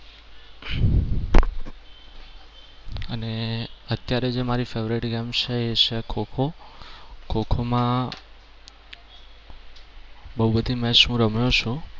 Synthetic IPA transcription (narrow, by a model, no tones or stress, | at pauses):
əneət̪jaɾed͡ʒemaɾifeʋɾiʈɡɛmt͡ʃʰeet͡ʃʰekʰokʰo | kʰokʰomã | bəɦubəd̪ʱimɛ̃ʃũɾəmjot͡ʃʰũ